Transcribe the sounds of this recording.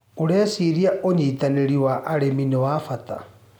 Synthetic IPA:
oɾɛːsiɾiaʔoɲiːtaneɾiwaʔaɾeminewafata̰

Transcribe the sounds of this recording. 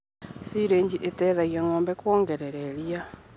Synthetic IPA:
siɾeːɲd͡ʑiʔetɛðaɣjaŋɔːmbɛkwoːŋɡɛɾeɾeɾia

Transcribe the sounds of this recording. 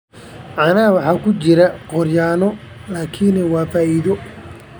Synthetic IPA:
ʕɑnɐwɑħɑːkʰʊt͡ʃɪɾɐqɔrjaːnɔ | laːkʰiːnɛwaːfaːʔiːðɔ

